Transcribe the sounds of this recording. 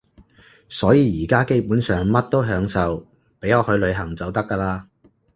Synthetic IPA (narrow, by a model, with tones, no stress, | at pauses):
sɔː˨˥jiː˨˧jiː˨˩kaː˥ke˥jpuː˨˥nsœː˨ŋmɐ˥t̚t̪o˥wɦœː˨˥ŋsɐ˨w | pe˨˥jŋɔː˧hɵ˨˧ɥlɵ˨˧ɥɦɐ˨˩ŋt͡sɐ˨wt̪ɐ˥kːaː˧laː˧